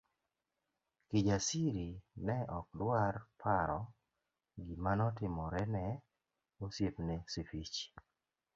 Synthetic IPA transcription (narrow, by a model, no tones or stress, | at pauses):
kid͡ʒasiɾinɛʔɔk̚dwarpʰaɾɔ | ɡimanɔtɪmɔɾɛnɛ | osjepnɛsifit͡ʃ